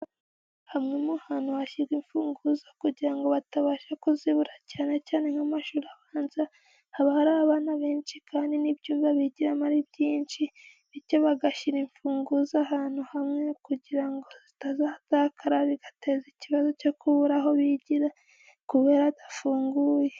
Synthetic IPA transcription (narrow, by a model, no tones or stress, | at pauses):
hamŋemuhaːn̥huhaʃiɾɡiɱfuːŋɡuzakuɟiɾaŋɡo̞βataβaːʃakuziβuɾacaːne̞caːne̞ŋhamaʃuɾaβaːnza | haβahaɾaaβaːnaβe̞ːnt͡ʃikʰaːndinibjuːmvaβiɟiɾamaɾibɟiːnʃi | βiɾcoβaɡaʃiɾiɱfuːŋɡuzahaːn̥huhamŋe̞kuɟiɾaŋɡo̞zitazahatakʰaɾaβiɡḁte̞ːziciβazo̞co̞kuβuɾaɦo̞βiɟiɾa | kuβe̞ɾadḁfuːŋɡuːje